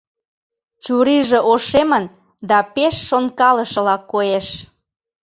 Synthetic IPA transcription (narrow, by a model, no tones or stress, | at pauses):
t͡ɕuɾiʒĕʔoʃemən | d̪ɑpeʃːonkɑləʃɤ̆lɑkːojeʃ